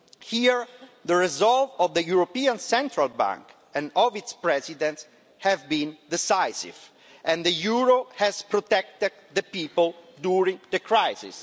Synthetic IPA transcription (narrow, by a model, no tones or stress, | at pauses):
hiɹd̪əɹɛzɔlvɔvd̪əjuɹopiãnsɛ̃nt̪ɾalbã̰ŋk | ɛ̃nɔvit̪spɹɛzid̪ɛ̃nts | hɛvbĩnd̪isajsḭv | ʔɛ̃nd̪əjuɹohɛzpɾɔt̪ɛk̚t̪ɛd̪d̪əpiːpəld̪uɹĩŋd̪əkʰɹajsḭs